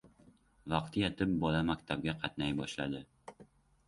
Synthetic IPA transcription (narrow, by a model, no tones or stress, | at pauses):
vɑqt̪ʰɪjɛt̪ʰɪp̚bɒlamakʲt̪ʰab̚ɡʲaqʰɑt̪najbɒʃla̰d̪ɪ